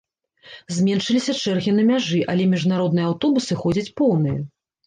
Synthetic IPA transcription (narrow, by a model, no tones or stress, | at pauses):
zʲmʲɛnʂɨlʲisʲɐt͡ʂɛrɣʲinɐmʲaʐɨʔɐlʲɛmʲiʐnaɾɔd̪nɨjɛawt̪ɔbusɨxɔd͡zʲɐt͡sʲpɔwnɨjɐ